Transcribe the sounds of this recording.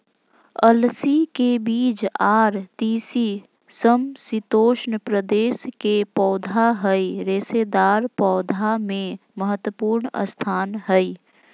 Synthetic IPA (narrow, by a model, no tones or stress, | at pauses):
əlsikebiːd͡ʒaːɾt̪iːsi | səmsit̪oːʃnpɾəd̪eːskepɔːd̪ʱaɦəiɾeːsed̪aːɾpɔːd̪ʱamẽməɦət̪wəpuːɾnə̰st̪ʰaːnɦəi